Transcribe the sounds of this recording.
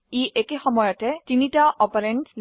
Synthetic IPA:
iʔekexɔmɔjɔtɛtinitaʔɔpaɾenʈl

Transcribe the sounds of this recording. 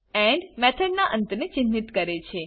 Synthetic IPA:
ɛ̃ɳɖmɛt̪ʰəɖnaʔə̃nt̪ənet͡ʃɪnːit̪kəɾet͡ʃʰe

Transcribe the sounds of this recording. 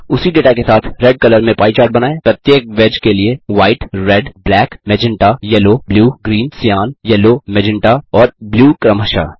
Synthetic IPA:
ʊsiɖeːʈakesaːt̪ʰɾɛɖ̚kɐləɾmẽpaːit͡ʃaːɾɖ̚bɐnaːepɾɐt̪jeːk̚ʋɛd͡ʒkelieʋaːɪʈɾɛɖblɛːkmɛd͡ʒɪ̃ɳʈajɛlobljuːɡɾiːnsjaːnjɛlomɛd͡ʒɪ̃ɳʈaɔːɾbljuːkɾɐmɦəʃa̰ː

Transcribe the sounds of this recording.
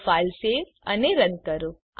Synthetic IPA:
faːlseːɾ | ɐ̰neɾənkəɾu

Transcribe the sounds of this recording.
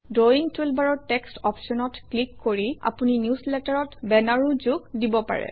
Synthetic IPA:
doiŋtelbaɹɔɹtɛkstɔpʰsɔnɔtklikːoɹia̰puninjuslɛtaɹɔtbɛnaɹuzuɡdibɔpa̰ɹɛ̰

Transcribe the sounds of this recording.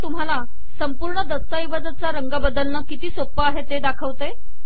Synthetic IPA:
t̪um̤ala | səmpuɾɳəd̪əst̪əiʋad͡zət͡saɾəŋɡabəd̪əlnəkit̪iːsopːəaɦet̪ed̪akʰəʋt̪e

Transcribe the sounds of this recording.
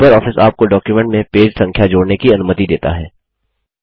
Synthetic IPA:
pəɾɔːfɪsaːp̚koɖɔːkjumɛ̃ɳʈmẽpeːd͡ʒsɐ̃ŋkʰjad͡ʒoːɽnekiɐnʊmət̪id̪eːt̪a̰ɦɛː

